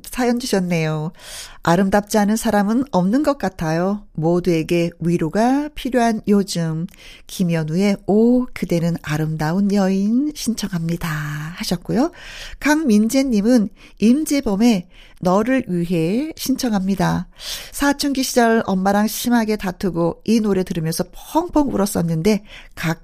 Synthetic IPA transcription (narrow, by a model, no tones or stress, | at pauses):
sʰajʌnd͡ʑuɕʰʌnːe̞jo | aɾɯmdap̚t͡ɕ͈iɦanɯnsʰaɾamɯnʌmnɯnɡʌk̚k͈atʰajomodue̞ɡe̞ɥiɾoɡapʰiɾjoɦanjod͡ʑɯmkimjʌnue̞okɯde̞nɯnaɾɯmdaunjʌinɕʰint͡ɕʰʌŋɦamɲidahaɕʰʌt̚k͈ojokaŋmind͡ʑe̞ɲːimɯn | imd͡ʑe̞bʌme̞ | nʌɾɯɭɥiɦe̞ɕʰint͡ɕʰʌŋɦamɲidasʰat͡ɕʰuŋɡiɕʰid͡ʑʌɾʌmːaɾaŋɕʰimɦaɡe̞tatʰɯɡoinoɾe̞tɯɾɯmjʌnsʰʌpʰhʌŋpʰʌŋuɾʌs͈ʌnːɯnde̞kak̚